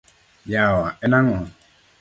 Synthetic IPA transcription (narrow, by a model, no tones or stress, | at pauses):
jawaʔɛnaŋa